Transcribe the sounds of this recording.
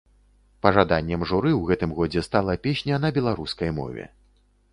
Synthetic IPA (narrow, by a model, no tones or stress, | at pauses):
pɐʐad̪anʲːɛmʐuɾɨwɣɛt̪ɨmɣɔd͡zʲɛst̪alˠɐpʲeɕʲnʲɐnɐbʲɛlˠaɾuskɐjmɔ̰vʲɛ̰